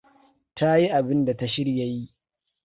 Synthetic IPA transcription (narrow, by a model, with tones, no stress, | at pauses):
tʰa˦ji˦ʔa˨bɪ˦nda˨ta˦ʃɪ˦ɽja˨ji˦ʔ